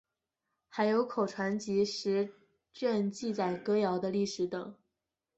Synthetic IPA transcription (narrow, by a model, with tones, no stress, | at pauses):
xa˧˥ɪjo˧˥ʊkʰo˨˩ʊʈ͡ʂʰwa˧˥nt͡ɕi˧˥ʂɻ̩˧˥ | t͡ɕɥɛ˥˧nt͡ɕi˥˧t͡sa˨˩ɪkɤ˥jɑ˧˥ʊd̪ə˧li˥˩ʂɻ̩˧˥t̪ɤ˨˩˦ŋ